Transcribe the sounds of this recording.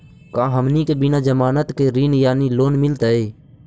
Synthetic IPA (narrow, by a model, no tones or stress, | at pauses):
kãːɦəmniːkeːbɪnãːd͡ʒəmaːnət̪keːɾiːnjaːniːloːnmɪlt̪əːeː